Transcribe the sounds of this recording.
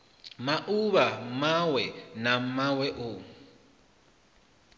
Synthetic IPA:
maʔuβamawɛnamawɛʔʊ

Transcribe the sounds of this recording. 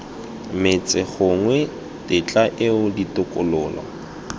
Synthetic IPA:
mɪt͡sʼɪχʊŋwɛ | tʼɪt͡ɬʼaʔɪʊditʊkʼʊlʊːla̰

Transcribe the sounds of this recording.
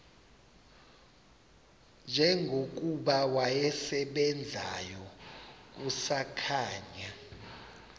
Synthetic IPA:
nd͡ʒʱɛŋɡʱok̬uɓawajɛsɛɓɛnd͡zʱa̰jɔk̬usakʰaːɲa

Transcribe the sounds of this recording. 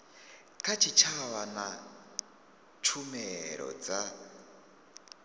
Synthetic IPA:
kʰat͡ʃʰit͡ʃʰawana | t͡ʃʰumɛɺɔ̰d͡za

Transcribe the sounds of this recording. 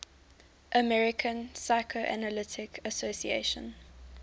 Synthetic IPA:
ʔəmɛɹɪkʰə̃nsaɪkʰoʔæ̰nəlɪtʰɪkʰəsosiḛʃə̰̃n

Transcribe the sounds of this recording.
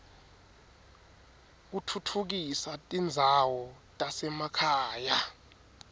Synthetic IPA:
k̬utʰutʰuk̬isatʼind͡zʱawɔ | tʼasɛmakʰaːja

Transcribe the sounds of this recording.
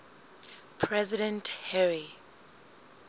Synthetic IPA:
pʰɹɛzidɛ̃ntʰhɛɹi

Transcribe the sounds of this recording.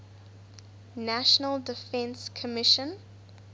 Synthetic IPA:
næʃənəlˠdɪfɛ̃nskʰəmɪʃə̃n

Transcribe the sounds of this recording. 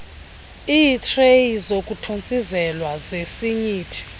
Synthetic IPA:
iːtʰʼrejizokʼutʰont͡sʼizɛlwazesiɲiːtʰi̥

